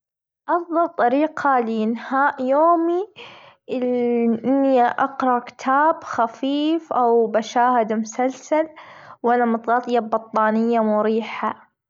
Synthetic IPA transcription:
ʔɑfðˤɑlt̪ˤɑɾiːqʰaljɪnhaːʔjoːmi | lʔɪnːiʔɑqɾˤɑkɪ̥t̪ʰaːbxafiːfʔawbaʃaːhɪd̪mʊsalsalwʔanamʊt̪ˤɣɑt̪ˤjabːɑt̪ˤːɑːnɪjːamʊɾiːħa

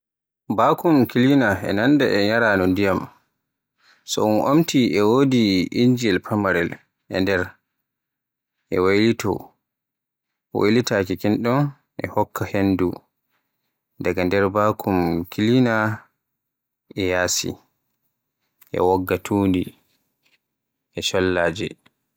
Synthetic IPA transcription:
bakumkilinaɛ̰nandaʔɛɲaɾaːnɔndijam | sɔ̰unʔomtiʔɛwoːdiind͡ʒiɛlpʰamaɾɛl | ʔɛ̰ndɛɾ | ʔɛwajlitɔ̰ | wo̰jlitakikinɗɔn | ʔɛ̰hɔkʰːahendṵ | daɡandɛɾbaːkʰumkilina | ɛjaːsḭ | ʔɛ̰wɔɡːatʰuːndi | ʔɛʃɔlːaːd͡ʒɛ̰

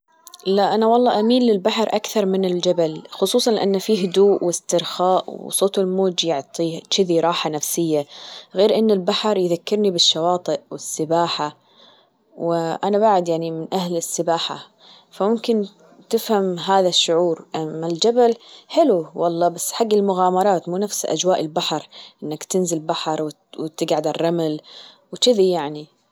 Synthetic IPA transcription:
laʔanawɑlˤːɑːʔamiːnlɪlbaħɑɾˤʔakθɑɾˤmɪnɪld͡ʒabalxʊsˤuːsˤɑnlʔanːfiːɦʊd̪uːʔwɪst̪ɪɾxaːʔw̰sˤoːt̪ˤɪlmoːd͡ʒjʊʕt̪ˤiːt͡ʃɪðiɾˤɑːħanafsɪjːaɣeːɾʔɪnːɪlbaħɾˤjðakːɪɾnibɪʃːɑwɑːt̪ˤɨʔwɪsːɪbaːħa | wɪʔanaβaʕɪd̪jaʕnimɪnʔahlɪsːɪbaːħa̰ | famʊmkɪn | t̪ɪfhamɦaːðaʃːʊʕuːɾmɪld͡ʒabalħɪluwɑlˤːɑːbasːħaɡːɪlmʊɣaːmɑɾˤɑːt̪muːnafsʔa̰d͡ʒwaːʔɪlbaħɾˤʔɪnːakt̪ɪnzɪlbaħɑɾˤwɪ | wɪt̪ɪɡʕad̪ɪrˤːɑmɪl | wɪt͡ʃɪðijaʕni

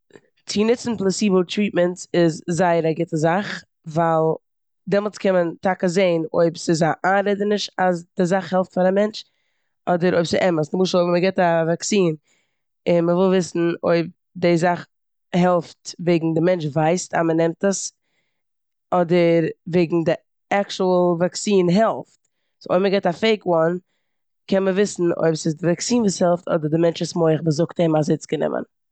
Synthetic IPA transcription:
t͡sinɪt͡sn̩plˠɛsiːbl̩ˠtɾiːt̚məntɪzzaɪəɾaɡɪtəzaχ | vaɪlˠ | dɛmlˠskʰɛnməntakəzeɪno̰ɪbsɪzaʔaɾɛdənɪʃtasd̥ɪzaχhɛlˠftfaɾamɛnt͡ʃ | ɔdəɾoɪbsɪʔɛməsnɪmuːʃl̩ˠoməɡɛtavaksiːn | ɪnməvɪlˠvɪsn̩o̰ɪb̚ | dɪzaχ | hɛlˠftveɪɡŋ̩dɪmɛnt͡ʃvaɪsta̰mənɛmtəs | ɔdəɾveɪɡŋ̩dɪ | akt͡ʃulˠvaksiːnɦɛlˠft | so̰ɪbməɡɛtafeɪkwɔn | kɛnməvɪsn̩o̰ɪbsɪzdɪvaksiːnvuːshɛlˠftʰɔ̰dəɾdɪmɛnt͡ʃɪsmoɪχməzʊktemazɪt͡sɡənɪ̰mʔə̰n

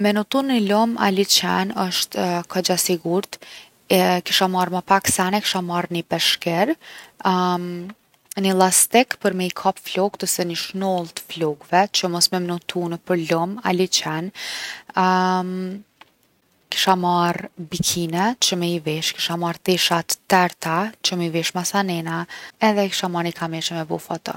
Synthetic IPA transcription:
mɛnut̪unilɔma̰lit͡ʃɛnəʃt̪kʰad͡ʑasiɡuɾt̪ | ki̥ʃamaɾməpaksanɛki̥ʃamaɾnipɛʃkɛɾ | nilˠast̪ɛkpəɾmɛikʰapflɔɡt̪əsɛniʃnɔlˠt̪ə̥flɔɡvɛt͡ɕəmɔsmɛmnut̪ʰunəpəɾlɔma̰lit͡ʃɛn | ki̥ʃamaɾbikʰinɛt͡ɕəmɛivɛʃki̥ʃamaɾt̪ɛʃat̪ːɛɾt̪at͡ɕəmɛiviʃmasanɛnaɛðɛki̥ʃamaɾnikʰamɛt͡ʃəmɛbufat̪ə̰

